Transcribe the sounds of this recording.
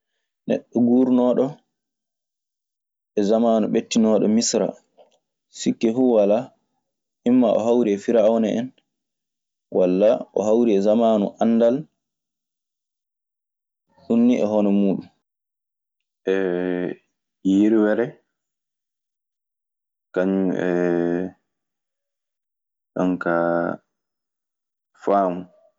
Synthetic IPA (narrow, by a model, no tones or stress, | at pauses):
nɛ̰ɗːɔɡuːɾnɔːɗɔ | ɛzamaːnuɓetːinɔːɗɔ̰misɾa̰ | sikːɛfuwala | ʔimːaɔ̰ɦawɾiɛfiɾaɔnɛʔɛn | wʔalːaʔɔ̰hawɾiɛzamaːnuʔanːdal | hunːiʔɛɦɔnɛmuːɗun | ʔɛ | jiɾwɛɾɛ | kaɲumɛ | ɗa̰ŋka | faːmu